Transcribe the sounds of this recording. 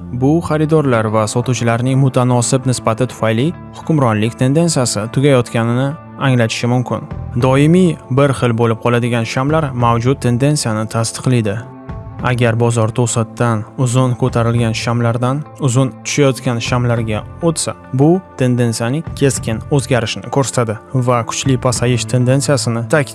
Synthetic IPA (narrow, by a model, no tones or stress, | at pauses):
bʊχaɾɪd̪ɒɾlaɾvasɒt̪ut͡ʃʰɪlaɾnɪŋmʊt̪ʰanɒsɪbnɪsbat̪ʰɪt̪ʰʊ̥fajlɪ | hʊkʲʊmɾɒnlɪkʲt̪ʰe̞nd̪e̞nsijasɪt̪ʰʊɡʲajɒt̪kʲanɪnɪ | aŋlat̪ʰɪ̥ʃɪmʊmkʲʰɪ̰nd̪ɒɪmijbɪɾχɨlbolɪp̚qʰɒlad̪ɪɡʲanʃamlaɾmawd͡ʒʊt̪̚ʰːe̞nd̪e̞nsijanɪt̪ʰast̪ʰɨ̥qlˠijd̪ɪ | aɡʲaɾbɒzɒɾt̪ʰosat̪ːanʊzʊnkʰɵt̪ʰaɾɪlɡʲanʃamlaɾd̪anʊzʊnt̪ʰʊ̥ʃajɒt̪kʲanʃamlaɾɡʲaot̪sa̰ | bʊt̪ʰe̞nd̪e̞nsijanɪŋkʲʰe̞skʲɪnɵzɡʲaɾɪʃɪnɪkʰɵɾsḁt̪ʰad̪ɪvakʰʊ̥t͡ʃlɪpʰasajɪʃt̪ʰe̞nd̪e̞nsijasɪnɪt̪ʰakʲ